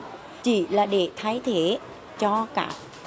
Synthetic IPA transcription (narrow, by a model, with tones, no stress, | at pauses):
t͡ɕḭ˧˩˦laː˨˩ɗe˨˩t̪ʰaː˨˦jt̪ʰe˧˩˦ | t͡ɕɔ˧ka̰ː˧˦˥k̚